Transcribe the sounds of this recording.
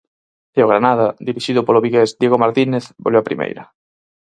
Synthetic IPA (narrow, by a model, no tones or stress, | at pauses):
eoɣɾanaðad̪iɾiʃiðʊpoloβiɣezd̪jeɣomaɾt̪ineθbo̰lewapɾḭmḛjɾɐ